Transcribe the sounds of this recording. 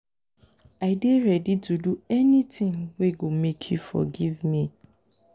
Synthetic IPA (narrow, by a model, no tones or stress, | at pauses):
aɪdeɹɛdituduɛnitĩŋweɡomekʰjufɔ̰ɡivmi